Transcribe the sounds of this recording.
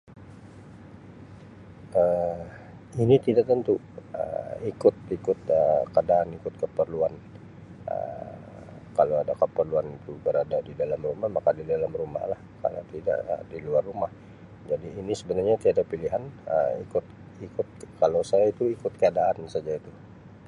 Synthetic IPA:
ə | init̪idaʔ̚t̪ənt̪u | ə̰ikʊt̪̚ikʊt̪̚əkəadaːnikʊt̪̚kəpərluan | ʔə̰ | kaloadakəpərluanit̪ubəɾadadidalamrumahmakadidalamruma̰hlahka̰lo̰t̪ida̰ʔə̰diluarːumah | d͡ʒadiːnisəbənarɲat̪iadapiliɦanə̰ḭkʊt̪̚ | ikʊt̪̚kalowsajait̪uikʊt̪̚kəadaːnsad͡ʒait̪u

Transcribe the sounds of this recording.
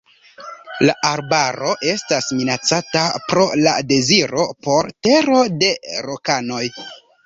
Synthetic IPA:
laʔaɾbaɾo̞ʔe̞stasminat͡satapɾo̞la̰de̞ziɾo̞po̞ɾte̞ɾo̞de̞ɾokano̞j

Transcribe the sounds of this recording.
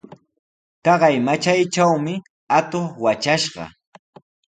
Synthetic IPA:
t̪ɑɢɑjmat͡ʃajt͡ʃawmɪ | at̪oχwat͡ʃaʃɢɑ̰

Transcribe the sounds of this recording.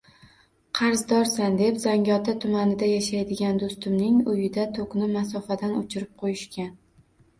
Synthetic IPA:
qʰɑɾzd̪ɒɾsand̪e̞pzaŋʲɒt̪ʰat̪ʰʊmanɪd̪ajaʃajd̪ɪɡʲand̪ost̪ɪmnɪŋʊjɪd̪at̪ʰoqnɪmas̬ɒfad̪anʊt͡ʃʰɪɾɪp̚qʰojɪʃkʲʰan

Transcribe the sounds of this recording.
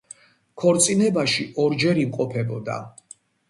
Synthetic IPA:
kʰɔɾt̪sʼinɛbaʃiʔɔɾd͡ʒɛɾimqʼɔpʰɛbɔd̪a̰

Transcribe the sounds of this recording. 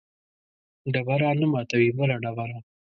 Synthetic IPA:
ɖabaɾɑnamɑt̪awibəlaɖabaɾɑ

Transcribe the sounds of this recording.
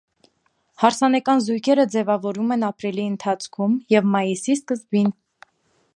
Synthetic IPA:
hɑɾsɑnɛkɑnzujkʰɛɾəd͡zɛvɑvɔɾumɛnɑpɾiliənt̪ʰɑt͡sʰkʰumjɛvmɑjisiskəzbin

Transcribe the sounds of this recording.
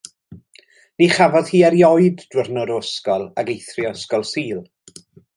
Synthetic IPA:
niχavɔðhiːɛɾjɔɨdd̥wərnʊɾʊəskɔlˠaɡejθrɪəskɔlˠsiːlˠ

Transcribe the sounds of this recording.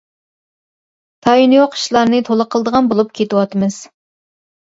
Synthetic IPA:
t̪ʰɑjinujoqʰʃlˠɑɾnɨt̪ʰolˠəqʰəlˠd̪əʁɑnbolˠupkʲʰet̪ɪwɑt̪ɨmɨz̥

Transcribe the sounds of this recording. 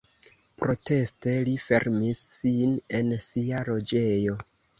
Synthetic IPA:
pɾo̞te̞ste̞life̞̰ɾmisːine̞nsialo̞d͡ʒe̞jo̞

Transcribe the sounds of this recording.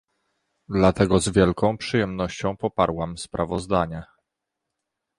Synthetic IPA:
d̪lat̪ɛɡɔzvʲjɛlkɔ̃w̃pʂɨjɛmnɔɕt͡ɕɔ̃w̃pɔpaɾwamspɾʔavɔzd̪aɲa

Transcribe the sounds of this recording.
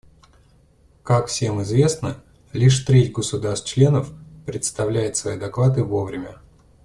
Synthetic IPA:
kakfsʲe̞mɪzvʲe̞snə | lʲiʂt̪ɾʲetʲɡəsʊd̪arst̪̚t͡ɕlʲe̞nəfpɾʲɪt̪st̪ɐvlʲæjɪt̪svɐid̪ɐklˠat̪ɨvo̞vɾʲɪmʲə

